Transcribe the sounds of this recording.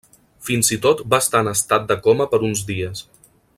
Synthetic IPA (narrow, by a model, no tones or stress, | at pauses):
finzit̪ot̪baəst̪aənəst̪at̪̚d̪əkɔməpəɾunzdiəs